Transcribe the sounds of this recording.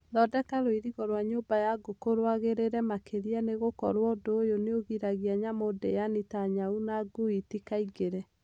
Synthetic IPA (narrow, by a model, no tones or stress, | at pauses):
ðɔdɛkaɾoiɾiɣɔɾwaɲoːbajaɡokoɾwaɣeɾeɾɛmakeɾianeɣokɔɾwɔdoːjoneoɣiɾaɣiaɲamodḛjanitaɲaunaɡuitikaiɡeɾɛ